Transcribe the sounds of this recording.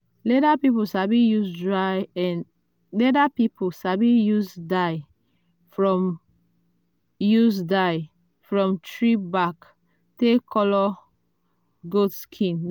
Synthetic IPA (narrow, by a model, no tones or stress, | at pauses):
lɛɾapipusabijusdɹajɛ̃n | lɛɾapipʰusabijusdaɪ | fɹɔ̃m | jus̬daɪ | fɹɔ̃mtʰɹibak | tekʰɔlɔ | ɡudskʰĩn